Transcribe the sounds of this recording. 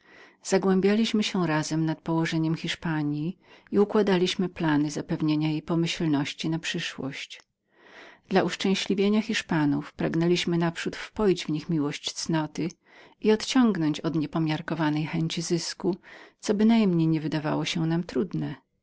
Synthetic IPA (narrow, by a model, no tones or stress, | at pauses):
z̥aɡwɛmbʲjalʲiɕmɘɕɛɾazɛmnat̪̚pɔwɔʐɛɲɛmxʲiʂpaɲji | iukwad̪alʲiɕmɘplanɘzapɛvɲeɲajejpɔmɘɕlnɔɕt͡ɕinapʂɘʂwɔ̰ɕt͡ɕ | d̪̥lauʂt͡ʂɛ̃w̃ɕlʲivʲjeɲaxʲiʂpanufpɾaɡnɛlʲiɕmɘnapʂut̪fpɔjd͡ʑvɲixmʲiwɔɕt͡ɕt̪snɔt̪ɘ | iɔt̪t͡ɕɔŋɡnɔɲt͡ɕɔd̪ɲɛpɔmʲjaɾkɔvanɛjxɛɲt͡ɕizɘskut̪sɔbɘnajɛmɲejɲɛvɘd̪ava̰wɔɕɛnamt̪ɾud̪nɛ